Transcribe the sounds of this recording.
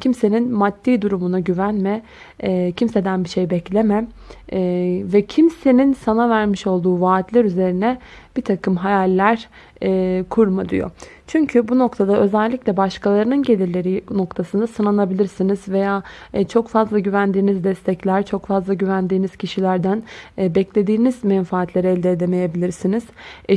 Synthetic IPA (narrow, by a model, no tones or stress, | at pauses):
cʰimse̞ninmad̪ːiːd̪uɾumunaɟyvænmɛ | cʰimse̞d̪ænbiʃe̞jbɛclʲemɛm | vɛcʰimse̞ninsanavæɾmiʃo̞lˠd̪uːvaːt̪lʲæɾyze̞ɾinɛ | b̥it̪ʰakʰɯmɦajalʲːæɾ | ɛːkʰuɾmad̪y̰jo̰ | t͡ʃʰyɲcʰybuno̞kt̪ʰad̪aʔø̞zælʲːicʲlʲɛbaʃkʰalˠaɾɯnɯnɟe̞lʲiɾlʲe̞ɾino̞kt̪ʰasɯnd̪asɯnanabilʲiɾsinizve̞jaːt͡ʃʰo̞kfazlˠaɟyvænd̪iːnizd̪ɛst̪ʰɛclʲæɾt͡ʃʰo̞kfazlˠaɟyvænd̪iːniz̥cʰiʃilʲæɾd̪ænbɛclʲe̞d̪iːnizmɛnfaːt̪ʰlʲe̞ɾɛɛlʲd̪eːd̪e̞me̞je̞bilʲiɾsiniz̥ɛ